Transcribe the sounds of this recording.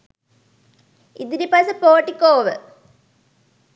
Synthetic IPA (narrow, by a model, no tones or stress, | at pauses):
id̪iɾipɐsɨpoːʈːikːoːʋɨ̰